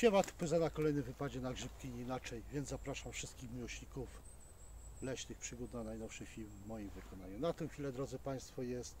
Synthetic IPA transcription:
t͡ɕɛmat̪pɘzanakɔlɛjnɘvɘpad͡ʑɛnaɡʐɘpkʲiɲːnat͡ʂɛjvʲjɛnd̪zzapɾaʂamfʂɘst̪̚kʲixmʲiwɔɕɲikuf | lɛt͡ɕt̪ɘxpʂɘɡut̪nanajnɔfʂɘxfʲilmvːɔjimvɘkɔnaɲunat̪ɛ̃w̃xʲfʲilɛd̪ɾɔd̪zɘpaj̃st̪fɔjɛst̪

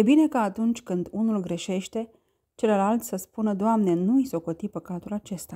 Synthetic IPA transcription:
je̞bine̞kaːt̪unt͡ʃʲkɨnd̪unulɡɾe̞ʃe̞ʃt̪e̞ | t͡ʃe̞ləlalt̪sʲsəspunəd̪oamne̞nuijso̞ko̞t̪ipəkat̪ulat͡ʃe̞st̪a

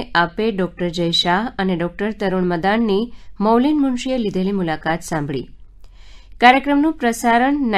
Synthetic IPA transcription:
apeɖɔk̚ʈəɾd͡ʒəjʃaɦəneɖɔk̚ʈəɾt̪əɾuɳməd̪aɳːimowlinmuɳʃijelid̪ʱelimulakat̪sãmbʱɭḭ | kaɾjəkɾəmnũpɾəsaɾəɳn

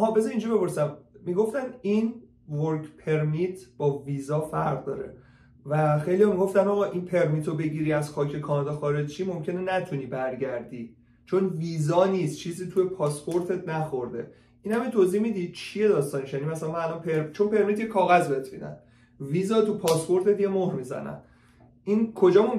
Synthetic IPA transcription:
hɒːbezeĩːnd͡ʒibe̞po̞ɾsæmmiɡo̞ft̪æniːn | voɾkʰpʰe̞ɾmit̪ʰb̥ɒːviːzɒːfæɾʁd̪ɒːɾḛ | væxe̞jlijɒːmiɡo̞ft̪ænɒːɣɒːʔinpʰe̞ɾmiːt̪ʰobe̞ɟiːɾiːæzxɒːcʰe̞kʰɒːnɒːd̪ɒxɒːɾe̞d͡ʒt͡ʃʰiːmo̞mcʰe̞nenæt̪ʰuniːbæɾɟæɾd̪iː | t͡ʃʰo̞nviːzɒːniːst̪t͡ʃʰiːziːt̪ʰuje̞pʰɒːspʰo̞ɾt̪ʰet̪næxo̞ɾd̪e̞ | ʔiːnhæmit̪ʰoziːhmid̪iːd̪̥̚t͡ʃʰije̞d̪ɒːst̪ɒːneʃjænimæsælænmæælonpʰeɾt͡ʃʰo̞npʰe̞ɾmit̪jekʰɒːɣæzbeet̪ʰmḭːd̪æ̰n | viːzɒːt̪ʰupʰɒːspo̞ɾt̪e̞t̪je̞mohɾmiːzæ̰næ̰n | ʔiːnkʰo̞d͡ʒɒːmom

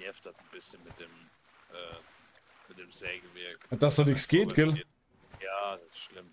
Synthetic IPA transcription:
ɛftatn̩bɪsçənmɪt̚d̥eːm | ʔɛː | mɪt̚d̥eːmzɛːɡəvɪɐkad̥asd̥anɪksɡ̥eːtɡ̥ɪl | jaːdasɪ̥sʃlɪm

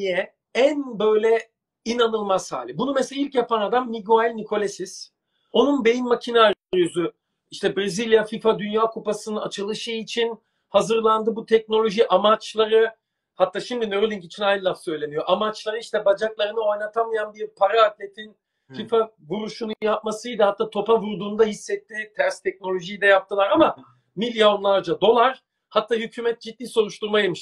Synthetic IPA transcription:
ijɛ | ænbø̞jlʲɛ | inanɯlˠmasha̰ːlʲɯbunumɛselʲailʲcjapanad̪amniɟualʲnikʰo̞lʲesis | o̞nunbe̞jimmacʰinaɾɾjyzy | iʃt̪ʰɛbɾezilʲjafifad̪ynjaːkʰupasɯnɯnat͡ʃʰɯlˠɯʃɯit͡ʃʰin | hazɯɾlˠand̪ɯbut̪ʰɛc̚no̞lʲo̞ʒiʔamat͡ʃlˠaɾɯ | hat̪ʰːaːʃimd̪inøɾlʲiŋcit͡ʃʰinajnlˠafsø̞jlʲe̞nijo̞ʔamat͡ʃlˠaɾɯiʃt̪ʰɛbad͡ʒaklˠaɾɯnɯo̞jnat̪ʰamajanbiɾpʰaɾaːt̪lʲe̞t̪ʰin | fifa | vuɾuʃunujapmasɯjd̪ahat̪ʰːaːt̪ʰo̞pavuɾd̪uːnd̪aɦisːɛt̪ːit̪ʰæɾst̪ʰɛc̚no̞lʲo̞ʒijd̪ɛjap̚t̪ʰɯlˠaɾama | milʲjo̞nlˠaɾd͡ʒad̪o̞lˠaɾ | hat̪ʰːaːhycʰyːmɛt̪̚d͡ʒit̪̚ːiːso̞ɾuʃt̪uɾmajemiʃ

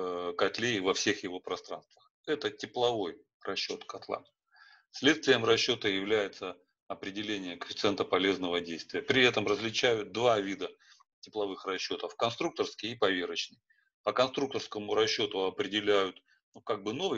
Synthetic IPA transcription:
kɐt̪lʲevɐfsʲe̞xjɪvo̞pɾɐst̪ɾa̰nst̪vəx | ɛt̪ətʲɪplˠɐvo̞j | rɐɕːo̞̰t̪kɐt̪lˠa̰ | sʲlʲet̪st̪vʲɪjəmrɐɕːo̞t̪əjɪvlʲæjɪt̪sə | ɐpɾʲɪdʲɪlʲenʲɪjəkəfʲɪ̥t̪ɨɛnt̪əpɐlʲe̞znəvədʲejst̪vʲɪjəpɾʲɪɛt̪əmrəzʲlʲɪt͡ɕæjʊt̪̚d̪vavʲid̪ə | tʲɪplˠɐvɨxrɐɕːo̞t̪əfkɐnst̪ɾuk̚t̪ərskʲɪjipɐvʲeɾɪt͡ɕnɨj | pəkɐnst̪ɾuk̚t̪ərskəmʊɾɐɕːo̞t̪ʊɐpɾʲɪdʲɪlʲæjʊt̪ | nukaɡ̚bɨno̞vɨ

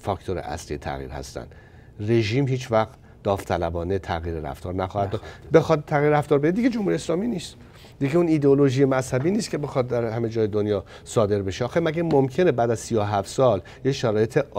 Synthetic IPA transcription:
fɒkt̪ʰoɾḛʔæ̰sliːjet̪ʰæ̰ɣḭːɾhæ̰st̪æ̰nd̪̥ | re̞ʒiːmhiːt͡ʃʰvæxt̪ | d̪̥ɒːft̪ʰælæbɒːnet̪ʰæɣiːɾeɾæ̰ft̪ɒːɾnæxɒːhæd̪d̪ɒːd̪be̞xɒd̪̚t̪ʰːæɣiɾɾæft̪ɒːɾbeid̪iɡed͡ʒomhuɾijeslɒːmiːniːst̪ | d̪iɡeuniːd̪eolo̞ʒiːjemæshæbiːniːst̪cʰe̞be̞xɒːd̪̚d̪æɾhæme̞d͡ʒɒːjed̪onjɒːsɒːd̪e̞ɾbe̞ʃeɒːxemæɡæmomcʰe̞ne̞bæːd̪æzsijoɦæft̪sɒːl | jeʃæɾɒːje̞t̪ʰe

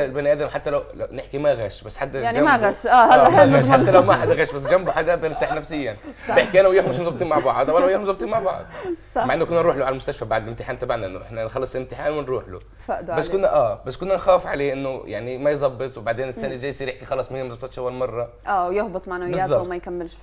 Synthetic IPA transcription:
lbænʔæːd̪æmħat̪ːælæwlæwneħkimæɣæʃbæsːħat̪ːææmɣæʃʔæːæɣæʃħat̪ːælæwmæʔħad̪ɣæːʃbæs̬ːd͡ʒæmboħaɡ̪æbjeɾt̪aħnæfsɪjːænjeħkiʔænæwjoħmeʃmnzˤɑb̚t̪ˤiːnmaʕbɑʕd̪ˤʔæwʔænæwjohmzˤɑbt̪iːnmaʕbɑ̰ʕd̪ˤmaʕʔenːokʊnːænɾuːħloʕalælmʊst̪æʃfæbaʕd̪ɪlʔemt̪ɪħaːnt̪æbaʕnæʔɪnːoʔeħnæxɑlːɑsˤlemt̪ɪħaːnwɪnɾuːħlo̰ | t̪faʔd̪bæsːkʊnːæʔæːbæsːkʊnːænxæːfʕaleːʔenːʊjaʕnimæjzˤɑbːet̪ˤwebaʕd̪eːnɪsːænæd͡ʒæːjːsiːɾʔeħkixɑlɑsˤmhːmzˤɑb̚t̪ɑt̪ʃʔæwːælmɑrˤːɑʔæːwjohbɨt̪ˤmaʕnajbezːtzˤːɑwmæjkæmːɪlʃ

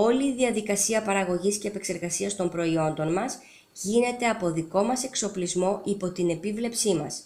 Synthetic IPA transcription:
o̞liːðiɐðikɐsiɐpɐɾɐɣo̞ʝisce̞ːpe̞kse̞ɾɣɐsiɐst̪o̞mpɾo̞io̞nd̪o̞nmɐs | ʝine̞t̪e̞ɐpo̞ðiko̞mɐse̞kso̞plizmo̞ʔipo̞t̪ine̞pivle̞psimɐ̰s

